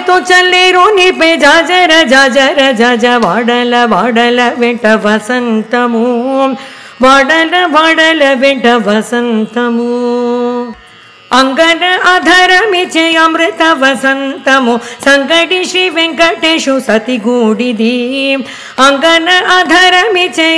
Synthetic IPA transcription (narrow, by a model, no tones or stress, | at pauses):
t̪ot͡ʃɐlːeɾoːniped͡ʒaːd͡ʒɐɾɐd͡ʒaːd͡ʒɐɾɐd͡ʒaːd͡ʒɐʋaːɽɐlɐʋaːɽɐlɐʋẽʈɐʋɐsɐnt̪ɐmu | ʋaːɽɐlɐʋaːɽɐlɐʋeʈɐʋɐsɐnt̪ɐmu | ɐŋɡɐnɐaːd̪ʱaːɾɐmit͡ʃejɐmɾɪt̪ɐʋɐsɐnt̪ɐmusɐŋɡɐɖiʃɾiʋẽŋkɐʈeʃusɐt̪iɡuːɽid̪i | ɐŋɡɐnɐaːd̪ʱaːɾɐmit͡ʃe